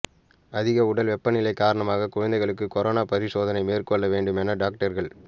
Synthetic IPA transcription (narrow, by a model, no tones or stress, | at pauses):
ɐðɪɣɐʊɽɐlʋɛpːɐnɪlɐɪkːaːɾɐɳɐmaːɣɐkʊɻɐnd̪ɐɪɣɐɭɯkːɯkɔɾoːnaːpɐɾɪsoːðɐnɐɪmeːrkɔɭːɐʋeːɳɖɯmɛnɐɖaːk̚ʈɐɾɣɐɭ